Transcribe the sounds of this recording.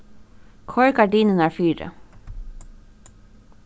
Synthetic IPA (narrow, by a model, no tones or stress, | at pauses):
kʰɔɹkaɹɖiːnənæɹfiːɾə̰